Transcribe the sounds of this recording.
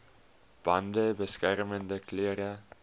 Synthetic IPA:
b̥ɐndəbəskærməndəkløəɾə

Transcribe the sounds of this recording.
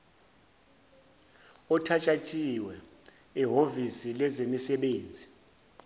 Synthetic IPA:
ɔtʰat͡ʃʼat͡ʃʼiwɛ | iɦovisilɛzemisɛɓeːnd͡zʱi

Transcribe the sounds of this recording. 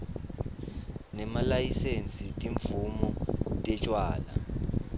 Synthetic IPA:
nɛmalajisent͡sʼitʼiɱvumɔtʼɛt͡ʃʼwaːla̰

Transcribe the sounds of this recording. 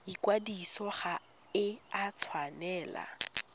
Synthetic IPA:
ikʼwadisɔχa | ɪat͡sʰwanɛːla̰

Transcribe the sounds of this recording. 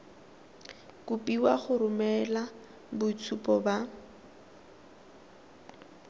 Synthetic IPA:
kʊpʼiwaχʊɾʊmɛla | bʊt͡sʰupɔba

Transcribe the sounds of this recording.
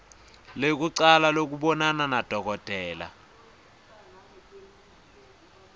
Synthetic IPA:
lek̬uǀalalok̬uɓɔnananad̥ʱɔk̬ɔd̥ʱɛːla̰

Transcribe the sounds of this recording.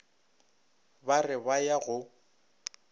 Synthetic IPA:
barɪbajaɣʊ

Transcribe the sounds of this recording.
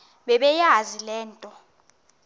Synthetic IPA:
ɓɛɓɛjazilɛːntʼɔ

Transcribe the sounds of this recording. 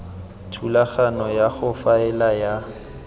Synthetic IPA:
tʰulaχanɔjaχʊfaɛlaja

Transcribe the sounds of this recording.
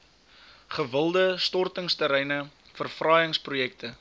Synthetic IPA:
χəvəlˠdəstɔrtəŋstəɾɛjnə | fərfrɑjəŋsprujɛk̚tə

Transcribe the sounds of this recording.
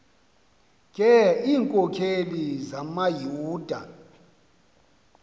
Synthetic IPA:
kʼɛiːŋkʼɔkʰelizamajuːd̥ʱa

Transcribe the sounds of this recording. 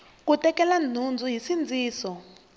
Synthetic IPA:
k̬utʼɛkɛlan̤und͡zʱuɦisind͡zʱiːsɔ

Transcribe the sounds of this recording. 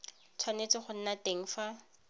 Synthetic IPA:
t͡sʰwanet͡sɪχʊn̩nateŋ̩ːfa

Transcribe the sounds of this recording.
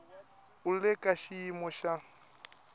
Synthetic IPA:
ʊlɪkʼaʃiːmɔʃa

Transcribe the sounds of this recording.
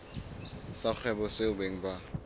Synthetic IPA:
sak͡xʰwɛbɔseʊbeŋ̩ba

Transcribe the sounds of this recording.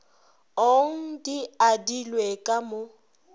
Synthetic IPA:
oŋ̩diadilwekʼamʊ

